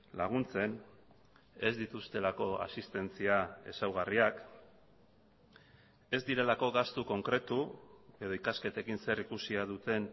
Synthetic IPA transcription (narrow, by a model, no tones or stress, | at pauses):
la̰ɣ̞unt͡se̞n | e̞zd̪it̪ust̪e̞lako̞a̰sist̪e̞nt͡siae̞̰sawɣ̞ariak | e̞zd̪iɾe̞lako̞ɣast̪uko̞ŋkɾe̞t̪ue̞ðo̞ikaske̞t̪e̞kinse̞rikusiaðut̪e̞n